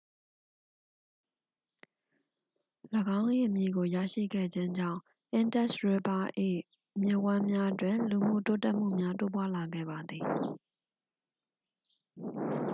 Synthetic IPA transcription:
ləɡã˦ʊ̃ʔḭ˦˨mjḭ˦˨ɡo˨ja̰˦˨ʃḭ˦˨ɡɛ̰˦˨d͡ʑɪ̃˦ɲd͡ʑã̰˦˨ʊ̃ | ʔɪ̃˨ntɛ˦˨sɹe˨ba˦ʔḭ˦˨ | mjɪ˦˨ʔwã˦mja˦twɪ̃˨nlu˨m̥ṵ˦˨to˦tɛ˦ʔm̥ṵ˦˨mja˦to˦p̬wa˦la˨ɡɛ̰˦˨ba˨d̪ði˨

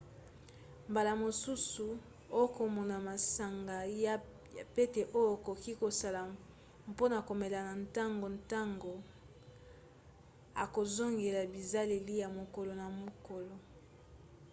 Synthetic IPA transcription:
mba˨la˨mo˨su˦su˨ | o˦jo˦ko˨mo˨na˨ma˨sa˨ŋɡa˨ja˦˨ | pe˦te˨ʔo˦jo˦˨ko˨ki˦ko˨sa˨la˨ | mpo˦na˨ko˨me˨la˨na˨nta˦ŋɡo˨nta˦ŋɡo˨ | a˨ko˨zo˦ŋɡe˨la˨bi˨za˦le˨li˦ja˨mo˨ko˨lo˨na˨mo˨ko˨lo˨

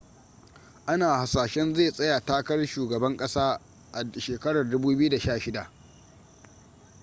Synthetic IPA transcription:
ʔa˦naː˨ha˨saː˨ʃɛ˦nzeː˦˨sʼɐ˦ja˨taː˦kɐ˦rʃuː˨ɡɐ˨bɐ˦ŋkʼɐ˦saː˦ | ʔa˨ʃeː˨kɐ˦ɽa˨rdʊ˦buː˦bɪ˦ju˦da˨ʃaː˦˨ʃɪ˦da˨ʔ

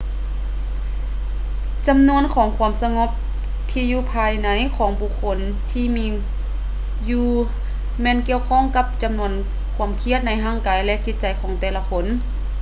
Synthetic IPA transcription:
t͡ɕa˧˦mnu˧˥ənkʰɔː˩˦ŋkʰu˧˥əmsa˧ŋo˧˥p̚ | t̪ʰiː˧juː˧pʰaː˧jna˩˦jkʰɔː˩˦ŋbu˧kʰːo˧˥n | t̪ʰiː˧˩miː˧ | juː˧ | mɛː˧˨nki˧əwkʰɔː˧˥˨ŋka˧˥p̚t͡ɕa˨˧˦mnu˧˥ən | kʰu˧˥əmkʰi˧˥ət̪̚na˧˥jɦaː˧˥˨ŋkaː˨˦jlɛ˧ʔt͡ɕi˧˦t̪̚t͡ɕa˨˦jkʰɔː˩˦ŋt̪ɛː˧˩la˧kʰo˧˥n

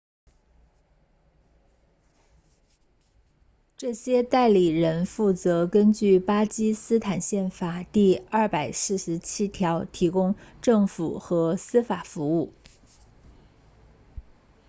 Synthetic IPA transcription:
ʈ͡ʂɤ˥˩ɕjɛ˥t̪a˥˩ɪli˨˩ɻə˧˥nfu˥˩t͡sɤ˧˥kə˥nt͡ɕy˥˩pa˥t͡ɕi˥sɹ̩˥t̪ʰa˨˩nɕjɛ˥˩nfa˨˩t̪i˥˧ɐ˥˩pa˨˩ɪsɹ̩˥˩ʂɻ̩˧˥t͡ɕʰi˥t̪ʰjɑ˧˥ʊt̪ʰi˧˥kʊ˥ŋʈ͡ʂɤ˥˩ŋfu˨˩xɤ˧˥sɹ̩˥fa˨˩fu˧˥u˥˩

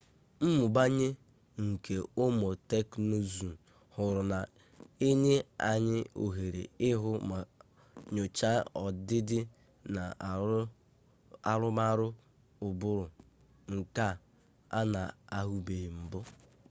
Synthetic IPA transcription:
m̩˦mʊ˨ba˦ɲɪ˦ | ŋ̩˨ke˨o˦mo˨te˦kno˦zu˨ | hʊ˨ɾʊ˨na˨ | e˦ɲe˦a˨ɲɪ˦ʔo̰˨ɦe˨ɾḛ˨ɪ˦ɦʊ˦˨ | ɲʊ˨t͡ʃa˦ɔ˨dɪ˦dɪ˦ | na˨ | a˨ɾʊ˦ma˦ɾʊ˦ | ʊ˨bʊ˦ɾʊ˨ | ŋ̩˨ka˦ | a˦na˨a˦ɦu˦be˨m̩˨bʊ˦

